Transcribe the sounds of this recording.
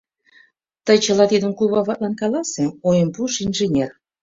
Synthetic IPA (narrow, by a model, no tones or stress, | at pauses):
t̪əjt͡ɕəlɑt̪id̪ənkuβɑβɑt̪̚lɑnkɑlɑseojəmpuʃinʒenʲer